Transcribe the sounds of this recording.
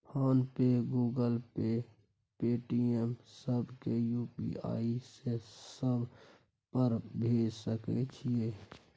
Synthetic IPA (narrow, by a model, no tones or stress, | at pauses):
pʰaːnpeɡuːɡəlpe | peːʈiemsəbʱkejuːpḭa̰ːisesəbʱ | pəɾbʱeːd͡ʒsəkɛ̰t͡ʃʰijeː